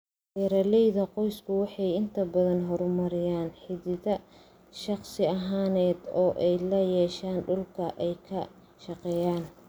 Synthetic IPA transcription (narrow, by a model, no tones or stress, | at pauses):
ɛɾɐlɛjðɐqɔjskʰʊwɑħɑjɪnt̪ʰɐbɐðɐnɦɔɾmɐɾɪjaːnħɪðɪðɐ | ʃɑχsɪɐɦaːnɛːd̪ɔːʔɛjlɐjɛːʃaːnɖʊlkʰɐʔɛjkʰɐ | ʃɑqɛːjaːn